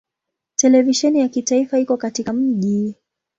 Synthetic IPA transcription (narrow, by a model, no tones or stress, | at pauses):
tɛlɛviʃɛnijakitaifaikɔkatikam̩ʄi